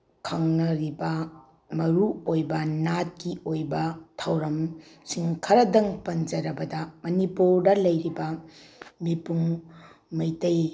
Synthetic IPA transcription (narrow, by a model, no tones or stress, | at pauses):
kʰɐŋnɐɾibɐ | mɐɾuojbɐnat̚kiojbɐtʰɐwɾɐmsiŋkʰɐɾɐdɐŋpɐnd͡ʒɐɾɐbɐdɐmɐnipuɾdɐlɐjɾibɐ | mipuŋ | mɐjtɐj